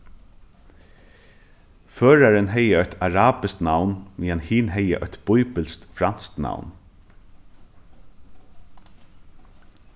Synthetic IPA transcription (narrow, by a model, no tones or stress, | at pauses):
føːɹaɾɪnɦɛjəœht̪ʰaɹaːpɪst̪nawnmiːanhiːnɦɛjə̰ʔœ̰hʲt̪b̥ʊjpɪlst̪fɾansk̪na̰wn